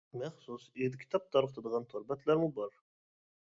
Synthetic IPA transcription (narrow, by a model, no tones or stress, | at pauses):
mæχsused̪kʲʰi̥t̪ʰɑp̚t̪ʰɑɾəqt̪ʰɑd̪ʁɑnt̪ʰoɾbæt̪ʰlæɾmɪbɒɾ